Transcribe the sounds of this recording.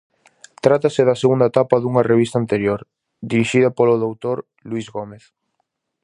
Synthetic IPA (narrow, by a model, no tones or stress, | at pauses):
t̪ɾat̪ɐsɪðɐseɣund̪ɐet̪apɐðuŋɐreβ̞ist̪ant̪eɾjoɾ | d̪iɾiʃiðɐpoloðowt̪oɾ | lwizɣomeθ